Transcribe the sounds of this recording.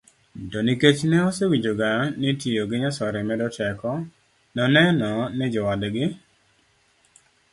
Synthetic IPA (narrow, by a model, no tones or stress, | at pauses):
doniket͡ʃnɛɔsewid͡ʒoɡanitijoɡɪɲasɔɾɛmɛdɔtɛkɔ | nɔnɛnɔnɛd͡ʒɔwadɡɪ